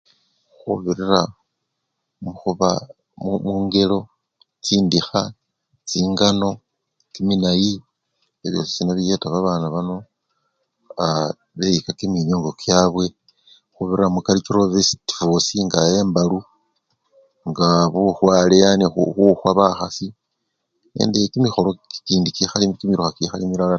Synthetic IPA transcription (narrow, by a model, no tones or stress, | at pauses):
xuβiɾira | muxuβa̰ | mumuːŋɡe̞lo̞ | t͡siːndixa | t͡siːŋɡano̞ | kiminaji | eβjo̰si̥sinaβije̞taβaβaːnaβano̞ | a | βe̞jikakiminjoːŋɡo̞kjaːβwe̞ | xuβiɾamukalit͡ʃiɾoβesiti̥fosiŋɡaje̞ːmbalu | ŋɡaβuxwalejaniuxuxwaβaxasi | nḛːndikimixo̞lokiːndikixalikimiɾuxakixalimiɾala